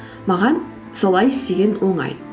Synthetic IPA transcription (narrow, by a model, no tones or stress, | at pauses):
mɑʁɑn | so̞lˠɑjɪst̪e̞ɡʲenwo̞ɴɑ̰j